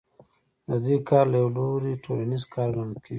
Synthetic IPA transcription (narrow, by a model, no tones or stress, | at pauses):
d̪ad̪ikʰɑːɾlajawloɾiʈʰolanizkʰɑɾɡankʰi